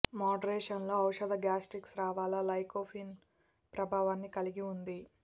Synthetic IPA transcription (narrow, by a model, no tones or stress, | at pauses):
maːɖɐɾɛːʂɐnlo̞ːɐwʂɐd̪ɐɡjaːsʈiksɾaːʋaːlɐlɐjkoːpʰiːn | pɾɐbʱaːʋaːnːikɐliɡiund̪i